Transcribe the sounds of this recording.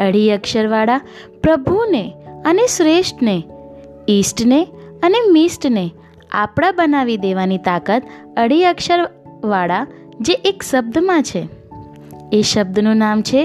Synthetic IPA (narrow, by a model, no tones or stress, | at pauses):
əɽiəkʃəɾʋaɭa | pɾəbʱuneəneʃɾeʃʈne | isʈneənemisʈne | a̰pɽ̃ãbənaʋid̪eʋanit̪akət̪ | əɽiəkʃəɾ | ʋaɭa | d͡ʒeʔekʃəb̚d̪mãt͡ʃʰe | eʃəb̚d̪ʱnũnamt͡ʃʰe